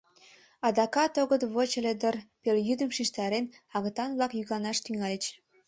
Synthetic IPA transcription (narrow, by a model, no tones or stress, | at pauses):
ɑd̪ɑkɑt̪oɣə̆t̪βot͡ɕelʲed̪ərpeljyd̪ə̆mʃiʃt̪ɑɾen | ɑɣɤ̆t̪ɑnβlɑkjyɣɑnɑʃt̪yŋælʲĕt͡ɕ